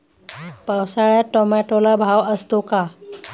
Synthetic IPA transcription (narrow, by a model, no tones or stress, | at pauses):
pawsaɭjaʈɔmaʈolabʱawəst̪oka